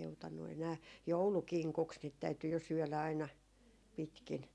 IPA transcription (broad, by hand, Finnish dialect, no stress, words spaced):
joutɑnːu enæː joulukiŋkuks niːt tæyty jo syœˑlæ ɑinɑ pitkin